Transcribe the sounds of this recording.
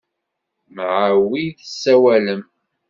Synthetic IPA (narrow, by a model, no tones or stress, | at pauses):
mʕawiθəsːæwæləm